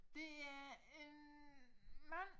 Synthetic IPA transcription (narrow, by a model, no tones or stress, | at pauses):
d̥e̝æen | maŋ